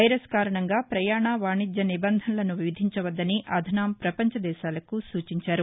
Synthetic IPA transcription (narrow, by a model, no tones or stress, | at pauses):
ɐjɾeskaːɾɐɳɐŋɡaːpɾɐjaːɳaːʋaːɳid͡ʒ̪jɐnibɐnd̪ʱɐnlɐnuʋiʋid̪ʱiɲt͡ʃɐʋɐd̪ːɐniʔɐd̪ʱɐnaːmpɾɐpɐɲt͡ʃɐd̪ɛːʃaːlɐkusuːt͡ʃiɲt͡ʃaːɾu